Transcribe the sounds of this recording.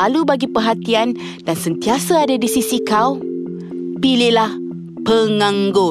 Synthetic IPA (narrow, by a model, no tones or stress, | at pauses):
alubaɡipərɦat̪ian | dansənt̪iasaːdadisisikaw | pililah | pəŋãŋɡo